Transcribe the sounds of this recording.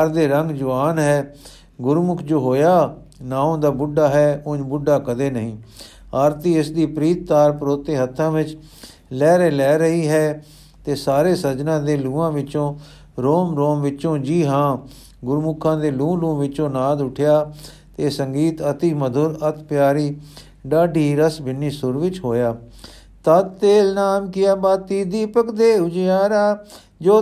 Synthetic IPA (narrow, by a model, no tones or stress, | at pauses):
aɾd̪eːɾəŋɡd͡ʒʊʋaːnɦɛː | ɡʊɾmʊkʰd͡ʒoːɦoːjaː | naːõːd̪aːbʊɖaːɦɛːʊɲbʊɖaːkəd̪eːnəɦĩː | aːɾt̪iːɪsd̪iːpɾiːt̪̚ːaːɾpɾoːt̪eːɦət̪ʰːãːʋɪt͡ʃ | lɛːɾeːlɛːɾəɦiːɦɛː | t̪eːsaːɾeːsəd͡ʒnãːd̪eːlũːãːʋɪt͡ʃõː | ɾoːmɾoːmʋɪt͡ʃõːd͡ʒiːɦãː | ɡʊɾmʊkʰːãːd̪eːlũːlũːʋɪt͡ʃõːnaːd̪ʊʈʰjaː | t̪eːsəŋɡiːt̪ət̪iːməd̪ʱʊɾət̪pjaːɾiː | ɖaːɖiːɾəsbɪnːiːsʊɾʋɪt͡ʃɦoːjaː | t̪ət̪eːlnaːmkɪjaːbaːt̪ːiːd̪iːpəkd̪eːʊd͡ʒjaːɾaː | d͡ʒoː